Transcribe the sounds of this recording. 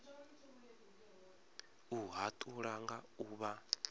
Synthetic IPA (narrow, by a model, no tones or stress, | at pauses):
uɦat̪ʼuɺaŋɡauːβa